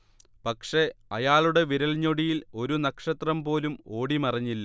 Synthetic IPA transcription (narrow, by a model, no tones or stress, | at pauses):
pɐkʂe̞ɐjaːɭuɽe̞ʋiɾɐɭɲːo̞ɽijilo̞ɾunɐkʂɐt̪rɐmpo̞ːlumo̞ːɽimɐrɐɲːilːɐ